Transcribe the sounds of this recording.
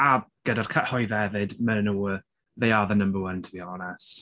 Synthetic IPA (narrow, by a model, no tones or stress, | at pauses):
aɡ̥ɛdar̥kʰəʔhɔjðɛðɪdmənənuːə | ðejaðənəmbərwəntʰəbiːɔlˠɔnɛst